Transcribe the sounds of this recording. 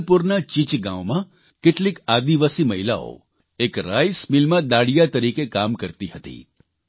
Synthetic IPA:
puɾnat͡ʃɪt͡ʃɡã̰ʋmã | keʈlikad̪iʋasiməɦila̰o̰ | ekɾa̰jsmɪlmãd̪aɽijat̪əɾikekamkəɾt̪iɦət̪ḭ

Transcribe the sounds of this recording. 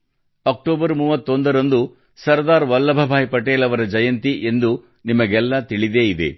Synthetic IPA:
ɐk̚ʈoːbɐɾmuːʋɐt̪ːond̪ɐɾɐnd̪u | sɐɾd̪aːɾʋɐlːɐbʱɐbʱaːjpɐʈeːlɐʋɐɾɐd͡ʒɐjɐnt̪iʔe̞nd̪u | nimɐɡɛlːɐt̪iɭid̪e̞ːid̪ḛ

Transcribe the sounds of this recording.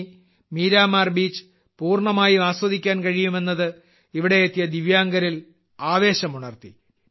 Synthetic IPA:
miːɾaːmaːrbiːt͡ɕːɨ̥ | puːrɳɐmaːjuaːswɐðʱikʲːaːnkɐɻijume̞nːɐðɨ | iʋiɽe̞jet̪ːijɐd̪iʋjaːŋɡɐɾil | aːʋe̞ːɕɐmuɳɐrt̪i

